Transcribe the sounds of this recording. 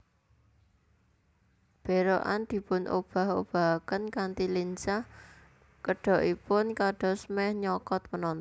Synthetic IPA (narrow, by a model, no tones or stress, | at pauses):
b̥e̤ɾoʔa̰nd̪̥i̤pʊnʔo̰b̥a̤ho̰b̥a̤kənkant̪ilint͡ʃah | kəɖ̥ɔ̤ʔipʊnkaɖ̥ɔ̤smɛhɲɔkɔt̪̚mənɔn